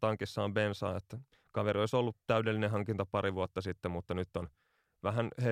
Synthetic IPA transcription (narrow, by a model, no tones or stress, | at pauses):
t̪ɑŋkisːɑːmbensɑ̰ːet̪ːæ | kɑʋeɾioisolːut̪t̪æydelːineɦɑŋkint̪ɑpɑɾiʋuot̪ːɑsit̪ːemut̪ːɑnyt̪ːon | ʋæɦænhe